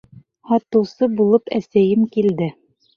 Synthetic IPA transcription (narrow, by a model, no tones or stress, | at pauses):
hɑt̪ɤ̆wsɤbulˠɤpæsæjɘmkild̪ɘ